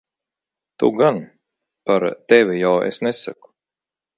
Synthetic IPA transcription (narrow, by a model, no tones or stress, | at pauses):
t̪ṵɡan | paɾt̪ɛvʲijawḛsnɛsa̰ku̥